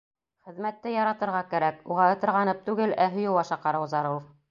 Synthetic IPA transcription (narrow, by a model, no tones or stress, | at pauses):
χɘ̆ðmæt̪ːɘjɑɾɑt̪ɤ̆ɾʁɑkæɾækuʁɑɤ̆t̪ɤ̆ɾʁɑnɤp̚t̪ʉɡɘlæɦɵ̆jɤwɑʃɑqɑɾɤwzɑɾɤwf